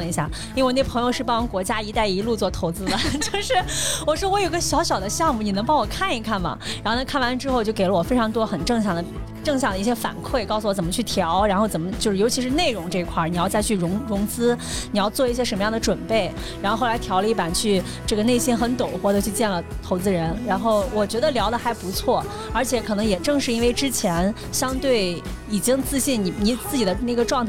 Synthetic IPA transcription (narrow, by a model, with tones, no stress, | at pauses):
i˧˥ɕja̰˥˩ | ji˥e˥˩˧ne˥˩pʰɤ˧˥ŋjo˧ʊʂɻ̩˥˧˩pɑ˥˧˥kwɔ˧˥t͡ɕja˥i˧˥t̪a˥˩ɪi˧˥lu˥˧t͡swɔ˥˩t̪ʰo˧˥ʊt͡sɹ̩˥lə˨t͡ɕjo˥˧ʊʂɻ̩˥˩wɔ˨˩ʂwɔ˥wɔ˧˥jo˨˩i˥ɡə˧ɕjɑ˧˥ʊɕjɑ˨˩d̪ə˦ɕjɑ˥˧ŋmu˨˩ni˨˩ɤ˧˥ŋp̬ɑ˥ŋwɔ˨˩kʰa˥˩ni˧˥kʰa˥˩nmɐ̰˩ɻa˧˥nxna˧˩kʰa˥˩nwa˧˥nʈ͡ʂɻ̩˥xo˥˧ʊt͡ɕjo˥˩ʊke˨˩lə˦wɔ˨˩fe˥ɪʈ͡ʂʰɑ˧˥ŋt̪wɔ˥xə˨˩nʈ͡ʂɤ˥˧ŋɕjɑ˥˩ŋd̪ə˦ | ʈ͡ʂɤ˥˧ŋɕjɑ˥˩ŋd̪ə˧i˥˩ɕjɛ˥fa̰˨˩nkʰwe˥˩ɪkɑ˥˩ʊsu˨˩wɔ˧˥t͡sə˨˩mə˧t͡ɕʰy˥˩t̪ʰjɑ˧˥ʊɻa˧˥nxo˥˧ʊt͡sə˨˩mə˦t͡ɕjo˥˧ʊʂɻ̩˥˩jo˧˥ʊt͡ɕʰi˧˥ʂɻ̩˥˧ne˥˩ɪɻʊ˧˥ŋʈ͡ʂɤ˥˧i˧˥kʰwa˥˩ni˨˩jɑ˥˧ʊt͡sa˥˧ɪy˥˩ɻʊ˧˥ŋɻʊ˧˥ŋt͡sɹ̩˥ni˨˩jɑ˥˧ʊt͡swɔ˥˧i˥˩ɕjɛ˥ʂə˧˥mə˧jɑ˥˩d̪ə˩ʈ͡ʂwə˨˩npe˥˩ɪ | ɻa˧˥xo˥˧xo˥˩la˧˥ɪtʰjɑ˧˥ʊlə˧˥i˥˩pa˨˩nt͡ɕʰy˥˧ | ʈ͡ʂɤ˥˩ɡə˩ne˥˩ɪɕi˥nxə˧˥nt̪o˨˩ʊxwɔ˧˥˩d̪ə˧t͡ɕʰy˥˧t͡ɕjɛ˥˩nlə˩t̪ʰo˧˥ʊt͡sɹ̩˧˥ɻə˧˥nɻa˧˥nxo˥˩ʊwɔ˨˩t͡ɕɥɛ˧˥d̪ə˧ljɑ˧˥ʊd̪ə˧xa˧˥ɪpu˧˥t͡sʰwɔ˥˩ | ə˞˧˥t͡ɕʰjɛ˧˥kʰɤ˨˩nɤ˧˥ŋjɛ˨˩ʈ͡ʂɤ˥˧ŋʂɻ̩˥˩i˥nwe˥˩ɪʈ͡ʂɻ̩˥t͡ɕʰjɛ˧˥n | ɕjɑ˥ŋt̪we˥˩ɪ | i˨˩t͡ɕi˥ŋt͡sɹ̩˥˧ɕi˥˩ni˨˩ni˨˥t͡sɹ̩˥˩t͡ɕi˨˩d̪ə˦n˥˩ɡə˩˦ʈ͡ʂwɑ˥˧ŋt̪ʰ